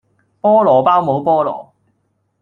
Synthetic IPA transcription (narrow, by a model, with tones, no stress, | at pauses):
pɔː˥lɔː˨˩paː˥wmo˨˧˥wpɔː˥lɔ̰ː˨˩